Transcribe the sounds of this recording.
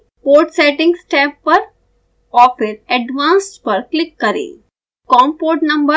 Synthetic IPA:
poːɾʈseːʈɪ̃ŋɡsʈɛːpːɐɾ | ɔːpʰɪɾɛɖʋãːnsʈpɐɾklɪkːɐɾḛː | kɔːmpoːʈnɐ̃mbə

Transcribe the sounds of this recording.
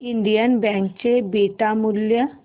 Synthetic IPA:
ɪɳɖijənbɛ̃ːŋkt͡ɕebeːʈamʊljə

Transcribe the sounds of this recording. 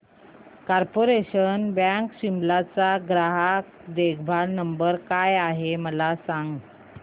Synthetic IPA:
kaɾpoɾeɕənbãŋkɕimblat͡saɡɾaɦak | d̪ekʰbʱaɽnəmbəɾkajaɦeməlasaŋɡ

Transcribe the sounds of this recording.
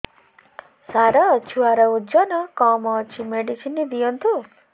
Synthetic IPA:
saɾaːt͡ʃʰuaɾaud͡ʒɔnɔkɔ̃mɔ̃t͡ʃʰimeɖisinːid̪ijɔnt̪ʰu

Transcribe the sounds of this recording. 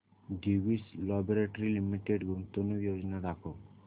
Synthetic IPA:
ɖiwislɔboɾeʈoɾilimiʈeɖɡumt̪onojod͡ʒɔnaɾakʰo

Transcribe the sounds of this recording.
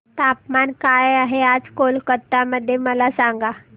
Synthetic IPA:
t̪apmankajaɦead͡zkolkət̪ːaməd̪ʱːjeməlasaŋɡa

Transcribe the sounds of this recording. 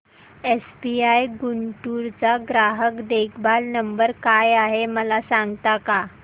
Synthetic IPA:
esbiajɡuɳʈuɾt͡saɡɾaɦəkd̪ekʰbalnəmbəɾkajaɦeməlasãŋɡt̪aka

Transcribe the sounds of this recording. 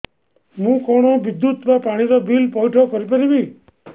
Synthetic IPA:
mũkɔɽ̃oʋid̪jut̪mapaɽ̃iɾɔbʱilpɔjʈʰɔkɔɾipəɾibi

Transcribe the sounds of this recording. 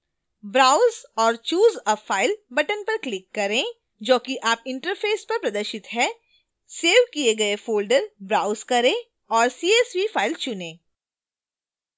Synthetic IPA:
bɾaːʊzɔːɾt͡ʃuːzɐfaːɪlbɐʈənpɐɾklɪkːɐɾẽ | d͡ʒoːkiʔaːpɪ̃ɳʈəɾfʰeːspɐɾpɾɐd̪əɾʃɪt̪ɦɛː | seːʋkieɡɐefoːlɖəɾbɾaːʊzkɐɾẽː | ɔːɾsiːeːswifaːɪlt͡ʃʊnẽː

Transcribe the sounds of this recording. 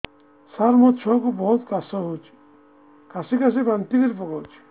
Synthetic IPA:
saɾmɔt̪t͡ʃʰɔkubɔɦut̪kasɔɦot͡ʃʰi̥ | kasikas̬epɾant̪id̪eɾpɔkɔt͡ʃʰi̥

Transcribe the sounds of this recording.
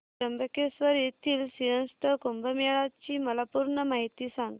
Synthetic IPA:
ɾəmbəkesʋəɾjet̪ʰiːlsiɦə̃nst̪əkombəmeɭat͡ɕiːməlapuɾɳəmaɦit̪iːsãŋɡ

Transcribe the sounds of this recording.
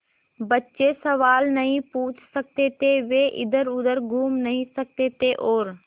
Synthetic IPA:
bətːʃesɐʋaːlnɐɦĩpuːt͡ʃʰsək̚t̪et̪eʋeːʔɪ̰d̪əɾʊd̪əɾɡʱuːmnɐɦĩsɐk̚t̪et̪eʔoːɾ

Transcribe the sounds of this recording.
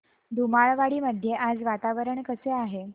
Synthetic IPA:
d̪ʱumaɭʋaɽiːməd̪ʱːjeʔad͡zʋat̪aʋəɾəɳkəseaɦe

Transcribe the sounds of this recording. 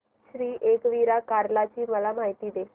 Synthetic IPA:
ɕɾiːʔekʋiɾakaɾlat͡ɕiːməlamaɦit̪iːd̪e

